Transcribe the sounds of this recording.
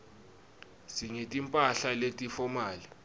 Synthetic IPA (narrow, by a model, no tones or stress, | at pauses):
siŋetʼimpʼaɬaletʼifɔmaːli